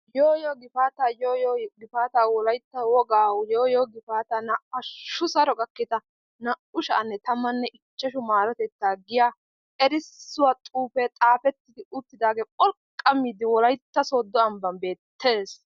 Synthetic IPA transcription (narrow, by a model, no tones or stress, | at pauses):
joːjɔɡɪfaːt̪aːjoːjɔɡɪfaːt̪aːwɔlɐjt̪ːɐwɔɡaːwjoːjoːɡɪfaːt̪ɐnɐɐʃːʊsɐɾɔkʼɐkːɪt̪ɐ | nɐʊʃɐ̰ːnːɛt̪ɐmːɐnːɛʔɪt͡ʃːɐʃʊmaːɾɔt̪ɛt̪ːaːɡɪjaː | ɛɾɪsːʊwat̪ʼuːpɛt̪ʼaːpɛt̪ːɪd̪ɪʔʊt̪ːɪd̪aːɡeːpʼɔlkkʼːɐmiːd̪ɪwɔlɐjt̪ːɐsoːd̪ːɔɐmbɐnbe̞ːt̪ʰːe̞ːs